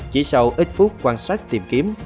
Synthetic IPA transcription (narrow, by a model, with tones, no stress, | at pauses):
t͡ɕḭ˧˩˦sə˧wʔi˦˥t̚fu˦˥k͡p̚kwaː˧nsaː˦˥k̚t̪i˨˩mki˨˦əm